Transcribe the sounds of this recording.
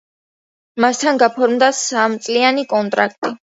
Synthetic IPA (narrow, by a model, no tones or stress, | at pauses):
mast̪ʰanɡapʰɔɾmd̪asamt̪sʼlianikʼɔnt̪ʼɾak̚ʰt̪ʼi